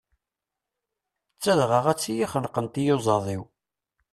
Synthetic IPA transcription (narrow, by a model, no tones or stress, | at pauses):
t͡sːæðʁəʁæt͡sːijiχənqənt̪ijozˤɑðˤiw